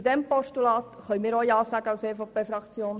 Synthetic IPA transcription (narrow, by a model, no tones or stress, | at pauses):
dɛmpɔʃtulɑːt̪χœʏmɪːɾɔjɑːsɑːɡəɑʊseːfoːpeːfɾɑkt͡sjoːn